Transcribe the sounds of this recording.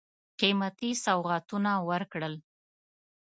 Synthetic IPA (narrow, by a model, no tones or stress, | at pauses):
qimat̪isawʁat̪unawəɾkɽəl